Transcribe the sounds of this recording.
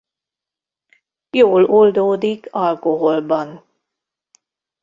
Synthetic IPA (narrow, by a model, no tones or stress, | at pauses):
joːlold̪oːd̪ikʰɒlkoɦolbɒn